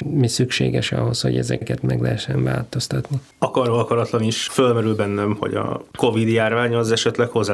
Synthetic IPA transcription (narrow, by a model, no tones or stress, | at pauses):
misykʃeːɡɛʃɒ̰ɦo̞sho̞̰ɟɛ̰zɛkɛt̪mɛɡlɛɦɛʃːɛɱva̰ːlt̪o̞st̪ɒt̪ni | ɒkɒroɒkɒɾɒt̪lɒniʃfølmɛɾylbɛnːɛmho̰ɟɒ̰ko̞vid̪jaːrvaːɲɒzɛʃɛt̪lɛkho̞zːa